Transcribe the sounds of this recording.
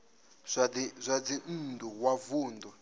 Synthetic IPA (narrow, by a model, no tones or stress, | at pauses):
azʷad͡zindʱuwavuːndɔ